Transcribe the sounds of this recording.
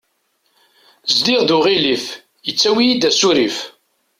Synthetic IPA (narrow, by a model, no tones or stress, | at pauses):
zd̪iʁðuʁiliθ | jət͡sːæwijid̪æsuɾif